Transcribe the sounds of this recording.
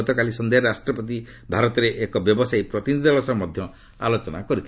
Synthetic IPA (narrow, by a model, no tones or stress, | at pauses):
ɔt̪ɔkalisɔnd̪eɦɔɾasʈɾɔpɔt̪̬i | bʱaɾɔt̪ɔɾeʔekɔbjɔbɔsajpɾɔt̪inid̪ialɔsɔmɔd̪ʱjɔ | a̰lot͡ʃɔnakɔɾit̪ʰi